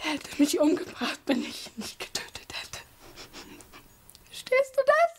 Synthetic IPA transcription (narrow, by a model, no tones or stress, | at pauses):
hɛtʰəmɪçʔʊmɡəbʁaχtvɛnɪçnɪçt̚ɡ̥ə̥tʰøːtʰə̥thɛtʰə̥ | fɛʃtʰeːst̚d̥uːdas